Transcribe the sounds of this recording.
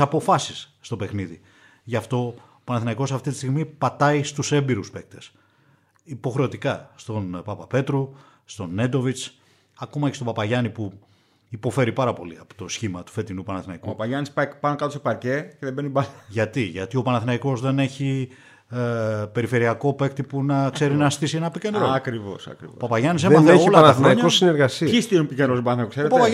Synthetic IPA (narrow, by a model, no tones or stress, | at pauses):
sɐpo̞fɐsisːt̪o̞pe̞xniði | ʝɐft̪o̞ː | pɐnɐθinɐiko̞sɐft̪it̪i̥st̪iɣmipɐt̪ɐist̪use̞mbiɾuspe̞k̚t̪e̞s | ipo̞xɾeo̞t̪ikɐst̪o̞npɐpɐpe̞t̪ɾu | st̪o̞ne̞d̪o̞vit͡s | ɐko̞mɐce̞st̪opɐpɐʝɐnipu | ipo̞fe̞ɾipɐɾɐpo̞̰liɐpo̥t̪o̞sçimɐt̪u̥fe̞t̪inupɐnɐθinɐikupɐpɐʝɐnispɐpɐnokɐt̪osepɐɾce̞ceðebenibɐθʝɐt̪iʝɐt̪io̞pɐnɐθinɐiko̞zðe̞ne̞çi | pe̞ɾife̞ɾiɐko̞pe̞kt̪iponɐkse̞ɾinɐst̪isie̞nɐpice̞nd̪ɾoɐkɾivo̰sɐ̰kɾḭopɐpɐʝɐnis̬emɐθeoilɐɐnɐθɾniɲɐkossineɾɣɐsiɐist̪iumpicenɾobɐnɐkkse̞ɾetpɐepɐ